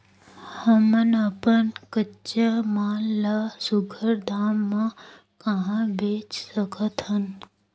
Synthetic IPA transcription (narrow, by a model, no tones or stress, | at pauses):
həmənəpənkət͡ʃəmaːllasʊɡʱəɾd̪ʱaːmːã | kəɦãbʱeːt͡ʃsəkʰət̪ɦən